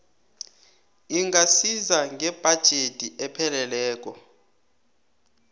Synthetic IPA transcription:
iŋɡasizaŋɡʱɛb̥ʱad̥ʒ̥ʱetʼiɛpʰɛlɛlɛːk̬ɔ

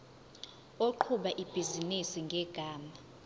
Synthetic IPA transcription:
oǃʰuɓaʔib̥ʱizinisiŋɡʱɛɡ̥ʱaːma

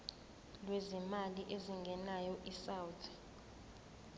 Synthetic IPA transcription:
lwezimaliʔeziŋɡʱɛnajɔʔisawtʰɛ̥

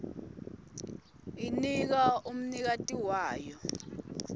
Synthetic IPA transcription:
inik̬aum̩nik̬atʼiwaːjɔ

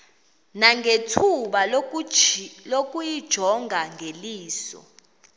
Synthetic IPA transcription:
naŋɡʱetʰuɓal | lok̬ʼujid̥ʒ̥ʱɔŋʱaŋɡʱeliːsɔ̰

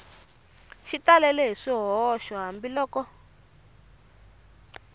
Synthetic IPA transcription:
ʃitalɛlɛɦiʂiɦɔʃɔɦambilɔːkɔ

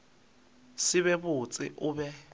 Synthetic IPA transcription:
sɪβɛbʊt͡sʼɪ̰ʔʊbɛ

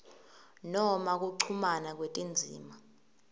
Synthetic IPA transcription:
nɔmak̬uǀʰumanak̬wetʼind͡zʱḭːma

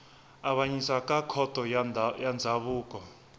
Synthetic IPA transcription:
aβaɲisakʼakʰɔtʼɔjand͡zʱaβuːk̬ʼɔ

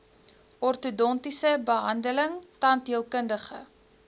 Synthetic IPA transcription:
ɔrtudɔntisəbəɦɐndələŋtɐndiəlˠkəndəχə

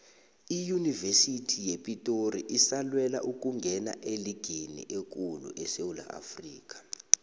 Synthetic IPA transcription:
ijunivesitʰijepʼitʼoriʔisalwɛla̰ʔuk̬ʼuŋɡʱɛna̰ʔeliɡ̥ʱenḭʔek̬ʼulṵʔɛsewula̰ʔa̰friːk̬ʼḁ

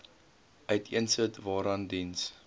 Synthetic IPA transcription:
ʔœɥtʰiənsətvɑːɾɐndins

